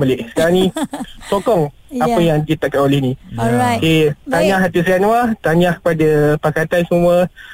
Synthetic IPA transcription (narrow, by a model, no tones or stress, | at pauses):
baleʔsə̥kaɾaŋnĩsokɔŋ | apəjaŋdit̪aʔkanolɛhnĩoket̪aɲahɦat̪isianũat̪aɲahkə̥padapakat̪ansəmũə